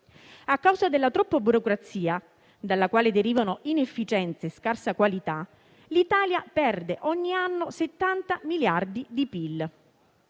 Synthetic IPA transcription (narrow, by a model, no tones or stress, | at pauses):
akːawzad̪elːat̪ɾɔpːabuɾokɾat̪siːa | d̪alːakwaːled̪eɾiːvanoʔinefːit͡ʃɛnt̪saeskarsakwalit̪a | lit̪aːljapɛrd̪eʔɔɲːianːoset̪ːant̪amiljard̪id̪ipilː